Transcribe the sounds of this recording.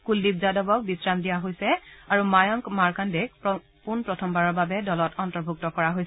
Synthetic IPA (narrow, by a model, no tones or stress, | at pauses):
kuldib̚zadɔbɔk̚bisɹamdijaɦojsɛaɹumajɔŋkmaɹkandɛkp | punpɹɔtʰɔmbaɹɔɹbabɛdɔlɔtɔntɔɹbʱuk̚tɔkɔɹaɦojs